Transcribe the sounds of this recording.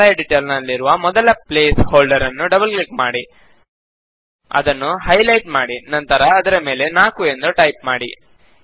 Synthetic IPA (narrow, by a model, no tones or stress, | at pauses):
ɐjɐɖiʈeːlnɐlːiɾuʋɐmɔd̪ɐlɐpleːshoːlɖɐɾɐnːuɖɐbɐlklikmaːɽi | ɐ̰d̪ɐnːuɦɐjlɐjʈmaːɽinɐnt̪ɐɾɐːd̪ɐɾɐme̞ːle̞naːkue̞nd̪uʈɐjp̚maːɽi